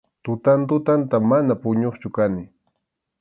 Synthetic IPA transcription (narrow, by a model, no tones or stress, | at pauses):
t̪ʊt̪ant̪ʊt̪ant̪amanapʊɲoχt͡ʃʊkanɪ